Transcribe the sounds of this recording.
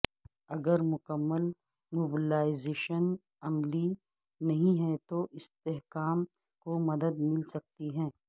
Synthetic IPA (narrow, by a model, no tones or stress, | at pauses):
ɐɡəɾmʊkəmːəl | moːbɪlaːɪzeːʃən | ɐmli | nɐɦĩɦɛ̃t̪oʔɪst̪eɦkaːm | komɐd̪əd̪mɪlsɐk̚t̪iɦɛ̃ː